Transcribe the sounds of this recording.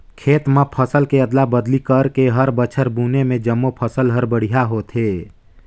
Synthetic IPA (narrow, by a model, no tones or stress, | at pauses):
kʰeːt̪mapʰəsəlkeəd̪labəd̪likəɾkeɦəɾbət͡ʃʰəɾbuːnemẽd͡ʒəmːopʰəsəlɦəɾbəɽ̤ijaɦot̪ʰɦeː